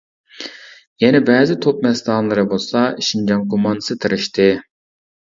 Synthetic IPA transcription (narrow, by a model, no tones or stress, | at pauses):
jɛnɛbɛːzɪt̪ʰop̚mɛnst̪ɑnlˠɨɾɨbolˠsɑiʃind͡ʒɑnkʰomɑnd̪ɨ̥sɨt̪ʰɨɾɨʃt̪ʰɪ